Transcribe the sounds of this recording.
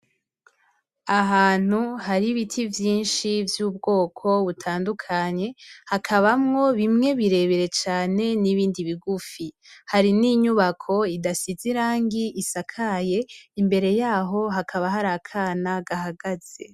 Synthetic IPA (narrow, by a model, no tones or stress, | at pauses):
aɦaːn̥uhaɾiβitʰivjiːnʃivjuːb̚ɡo̞ːkʰo̞βutʰaːndukʰaɲe̞hakʰaβamŋo̞βimŋe̞βiɾe̞βeɾe̞t͡ʃaːne̞niβiːndiβiɡufi | haɾiniɲuβakʰo̞idasiziɾaːŋɡiʔisakʰaje̞imbe̞ɾe̞jaːɦo̞ɦakʰaβaɦaɾakʰaːnaɡaɦaɡaz̥e̞